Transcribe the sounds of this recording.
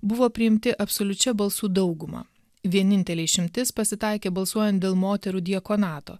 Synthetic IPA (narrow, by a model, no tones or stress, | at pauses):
bʊʋoːpʲɾʲɪɪmʲt̪ʲɪʔɐpsoːlʲʊt͡ʃʲɛbɐlˠsuːd̪ɒʊɡʊmɑ̰ː | ʋʲiɛnʲɪnʲt̪ʲɛlʲɛɪʃʲɪmʲt̪ʲɪspɐsʲɪt̪ɐˑɪkʲeːbɐlˠsuɔjɛnt̪̚d̪ʲeːlˠmoːt̪ʲɛɾuːd̪ʲiɛkoːnɑːt̪o̰ː